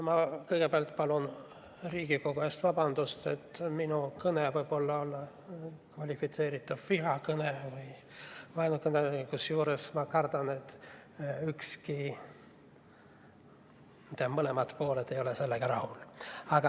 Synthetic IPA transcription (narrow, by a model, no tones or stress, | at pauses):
mɑkɤjɡ̥epeɑlt̪ˑpɑlun | riːɡ̥iko̞ɡuest̪vɑb̥ɑnd̪̥ust̪e̞t̪ːˑminukɤnevɤjb̥o̞lːɑo̞lːɑ | kvɑlʲifit̪se̞ːɾit̪ːˑuv̥fiɦɑkɤnevɤj | vɑjnukɤneikusjuːɾesmɑkɑrd̪̥ɑne̞t̪ːˑ | ykski | t̪ːɑmɤle̞mɑt̪po̞ːled̪e̞jo̞lese̞lːeɡ̥ɑɾɑhulɑɡ̥ɑ